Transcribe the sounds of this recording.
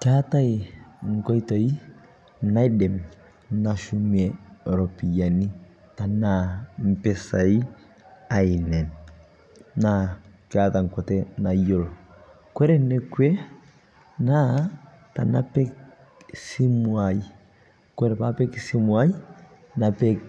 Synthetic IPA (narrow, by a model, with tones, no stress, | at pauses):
kata˦e˨ŋkɔ˦i˦tɔ˨i˦ | na˦i˦dɛ˨m | na˨ʃu˦mɛɾɔ˨pi˨ja˨ni˦ | ta˨nam̩˨pɛ˨sa˨i˦ | a˨i˨nɛ˨n | nakata˨ŋ˨kɔtɛna˨jo˨l | kwɛ˦ɾɛ˦nɛ˦kwe˦ | na˦ | ta̰˨na˦pɛ˦k | si˦mwa˨i | kɛ˦ɾɛ˨pa˦pɛ˦ksi˦mwa˦i˦ | na˨pɛ˦k